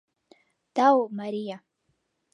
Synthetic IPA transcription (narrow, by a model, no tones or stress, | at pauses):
d̪̥aomaɾija